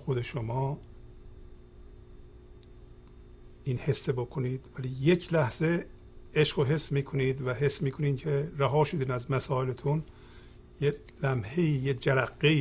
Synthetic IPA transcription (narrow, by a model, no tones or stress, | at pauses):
xod̪e̞ʃomɒː | iːnhe̞sːebokʰoniːd̪væliːje̞cʰlæhz̥e̞ | eʃɡoɦe̞sːmiːkʰo̞niːd̪væɦe̞sːmiːkʰoniːncʰeɾæɦɒːʃod̪iːnæzmæsɒːelet̪ʰun | je | læmhe̞iːjed͡ʒæɾæɡːeiː